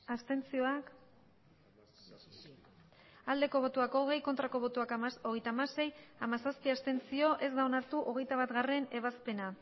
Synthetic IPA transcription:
ast̪e̞nt͡sio̞ak | ald̪e̞ko̞β̞o̞t̪uako̞ɣ̞e̞jkont̪ɾako̞βo̞t̪uakoɣe̞jt̪amase̞jamasaspiast̪e̞nt͡sio̞ʔe̞zd̪aonaɾt̪uʔo̞ɣ̞e̞jt̪aβat̪ɣare̞ne̞β̞aspe̞na

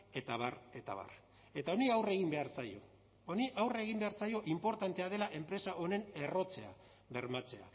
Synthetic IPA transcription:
e̞t̪aβ̞are̞t̪a̰βa̰r | e̞t̪ao̞niawre̞ɣ̞imbe̞aɾsajo̞ | oniʔawre̞ɣimbe̞aɾsajo̞ʔimpo̞ɾt̪ant̪e̞að̞e̞laʔe̞mpɾe̞saʔo̞ne̞ne̞ro̞t͡se̞a | βe̞ɾmat͡se̞a̰

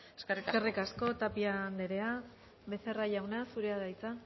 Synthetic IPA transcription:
eskeriskerikasko̞t̪apiand̪eɾe̞a | βe̞se̞raʝawnasuɾeaðajt͡sa

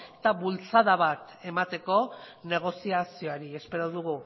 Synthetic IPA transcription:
et̪aβult͡saðaβ̞at̪ | e̞mat̪e̞ko̞ne̞ɣ̞o̞siasio̞aɾie̞spe̞ɾo̞ðuɣ̞u

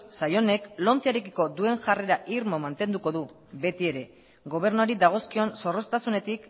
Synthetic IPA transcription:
sajo̞ne̞klo̞nt͡saɾekiko̞d̪ue̞ŋʝare̞ɾaʔiɾmo̞mant̪e̞nd̪uko̞ðu | βe̞t̪ie̞ɾe̞ | ɣo̞β̞e̞ɾnuaɾid̪aɣ̞o̞skio̞nso̞ro̞st̪asune̞t̪ik

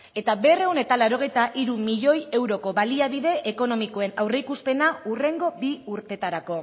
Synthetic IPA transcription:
e̞t̪aβe̞re̞wne̞t̪alaɾo̞ɣ̞e̞jt̪aʔiɾumiʎo̞je̞wɾo̞ko̞βaliaβiðe̞ʔeko̞no̞miko̞e̞nawrejkuspe̞naure̞ŋɡo̞biuɾt̪e̞t̪aɾako̞

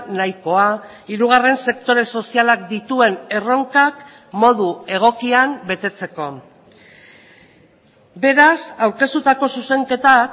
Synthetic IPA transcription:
najko̞a | iɾuɣ̞are̞nse̞kt̪o̞ɾe̞so̞sialak̚d̪it̪ue̞ne̞ro̞ŋkak | mo̞ðue̞ɣ̞o̞kiambe̞t̪e̞t͡se̞ko̞ | be̞ɾasawɾke̞st̪ut̪ako̞suse̞ŋke̞t̪a

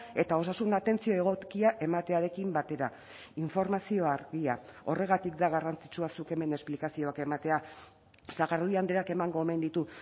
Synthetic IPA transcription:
e̞t̪ao̞sasund̪at̪e̞nt͡sio̞e̞ɣ̞o̞kiaʔe̞mat̪e̞aɾe̞kimbat̪e̞ɾa | iɱfo̞ɾmasio̞aɾɣia̰o̞re̞ɣ̞at̪ikd̪aɣ̞arant͡si̥t͡ʃuasuke̞me̞ne̞splikasio̞ake̞mat̪e̞a | saɣaɾðuiand̪eɾake̞maŋɡo̞eme̞nd̪it̪u

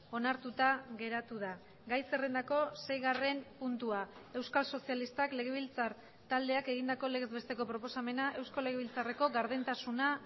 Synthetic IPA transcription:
o̞naɾt̪ut̪aɣe̞ɾat̪uða | ɡajse̞re̞nd̪ako̞se̞jɣare̞mpunt̪uae̞wskalso̞sialist̪akle̞ɣ̞e̞βilt͡saɾ | t̪ald̪e̞ake̞ɣ̞ind̪ako̞le̞ɣezβe̞st̪eko̞pɾo̞po̞same̞naʔe̞wskole̞ɣeβ̞ilt͡sare̞ko̞ɣaɾðent̪asuna

